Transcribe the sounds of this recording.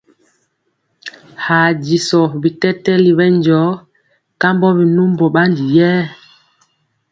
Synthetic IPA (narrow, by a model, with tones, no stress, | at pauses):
ha˨ɟi˨sɔ˨bi˨tɛ˦tɛ˦li˨βɛ˦nd͡ʒɔ˨˦ | ka˦mbɔ˦bi˨nu˦mbɔ˨ɓa˦ndi˨jɛː˦